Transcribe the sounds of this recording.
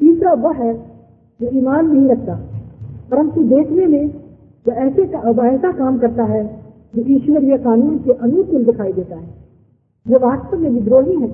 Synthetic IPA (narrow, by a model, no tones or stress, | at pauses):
t̪iːsɾaʋoɦɛ | d͡ʒoiːmaːnːɐɦĩɾɐk̚t̪aːpɐɾə̃nt̪ud̪eːkʰnemẽ | d͡ʒoɛːsekaɔbaɛːsakaːmkɐɾt̪aɦɛ | d͡ʒojiːʃʊneɾijekaːnuːnkeʔɐnuːkʊld̪ɪkʰaːid̪eːt̪aɦɛː | joʋaːst̪əmẽbʱid̪ɾoːɦiɦɛ̃ː